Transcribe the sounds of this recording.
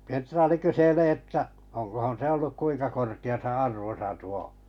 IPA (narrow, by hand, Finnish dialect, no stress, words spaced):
kend̥rɑːli kyseleː etːæ oŋkohon se olːuk kuiŋkɑ korkiɑsɑ ɑrʋosɑ tuo